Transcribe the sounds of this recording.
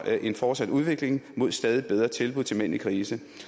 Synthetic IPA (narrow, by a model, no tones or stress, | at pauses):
ʔe̝nfɒːd̥sæd̥uð̞ˠʋe̝ɡ̥le̝ŋmo̝ð̞̰ˠsd̥ɛːð̞ˠib̥eð̞ˠʁɐt͡sʰe̝lb̥uðˠt͡sʰe̝men̰ikʰʁiːsə